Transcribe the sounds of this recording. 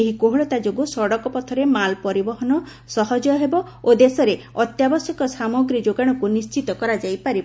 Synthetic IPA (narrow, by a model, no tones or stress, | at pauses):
eɦikoɦuɭɔt̪ad͡ʒoɡusɔɽɔkɔpɔt̪ʰɔɾemalpɔɾibɔɦɔnɔ | sɔɦɔd͡ʒɔɦebɔ | od̪esɔɾe | ɔt̪jabɔsjɔkɔsamɔɡɾid͡ʒoɡaɽ̃ɔkunist͡ʃit̪ɔkɔɾad͡ʒajpaɾib